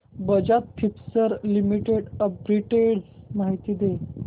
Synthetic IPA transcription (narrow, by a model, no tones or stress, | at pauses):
bəd͡ʑat̪̚fʰipsəɾlimiʈeɽəpɾiʈeɽmaɦit̪iːd̪e